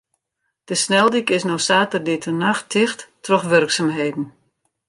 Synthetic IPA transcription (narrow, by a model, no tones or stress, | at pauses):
d̥əsnɛlˠdikɪsnosaːtərdɪtʰənaxtʰɪxtːrɔxʋørksaːmɦeːdn̩